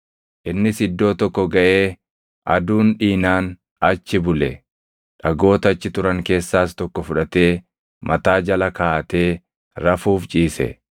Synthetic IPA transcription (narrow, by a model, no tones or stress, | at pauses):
ʔɪnːɪsɪd̪ːo̞ːt̪ɔkːɔɡɐʔe̞ː | ʔɐ̰d̪uːnᶑiːnaːn | ɐt͡ʃːɪbʊlɛ | ᶑɐɡo̞ːt̪ɐt͡ʃːɪt̪ʊɾɐŋke̞ːsːaːst̪ɔkːɔfʊᶑɐt̪e̞ː | mɐt̪aːd͡ʒɐlɐkaːt̪e̞ː | ɾɐfuːft͡ʃʼiːsɛ̰